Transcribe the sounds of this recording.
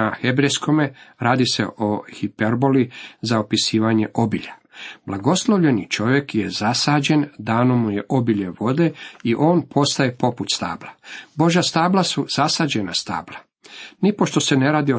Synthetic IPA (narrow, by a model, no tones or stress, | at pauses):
ahebɾejsko̞meɾaːd̪ise̞̰ʔoxipeɾbolizaopisiːʋaɲe̞ʔo̞biʎab̥lˠaɡo̞slˠo̞ʋʎe̞nit͡ʃo̞ʋje̞kjezasaːd͡ʑe̞nd̪aːnomːuje̞ʔobiʎe̞ʋo̞d̪e̞iʔo̞ːnpʰo̞st̪ae̞po̞put̪st̪a̰ːblabo̞ʒast̪aːblˠasuz̥asaːd͡ʑena̰st̪a̰ːblˠa | nipo̞ʃt̪o̞se̞ne̞ɾaːd̪io